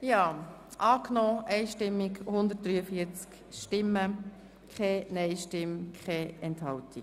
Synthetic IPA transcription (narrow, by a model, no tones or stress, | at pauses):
jɑː | ʔɑːknɔːʔɛɪʃtɪmːikhʊnd̪ət̚d̥ɾyːəfiəɾt͡sk | ʃtɪmːə | kχɛːnɛɪʃtɪmkχɛːɛnthɑltik